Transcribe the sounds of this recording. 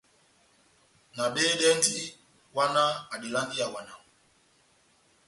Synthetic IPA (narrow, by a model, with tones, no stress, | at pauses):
na˨ɓeː˦ɗɛ˦n˦di˦ | wa˦na˦a˨ɗi˨la˦ŋɡi˦a˨wa˨na˨ŋ˨